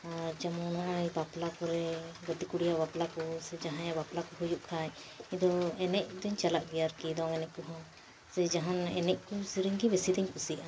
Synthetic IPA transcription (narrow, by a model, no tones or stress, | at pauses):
aɾd͡ʒamɔnɔjbaplakɔɾɛɡɔt̪ikuɽijabaplakɔsɛd͡ʒaɦãjabaplakɔɦɔjuʔkʰaj | id̪ɔɛnɛʔ̚d̪ɛɲt͡ʃalaʔɡɛjaɾkid̪ɔŋɛnɛʔkuɦɔ̃ | sɛd͡ʒaɦanɛ̰nɛʔ̚kusiɾəŋɡibɛsid̪ɛɲkusiʔa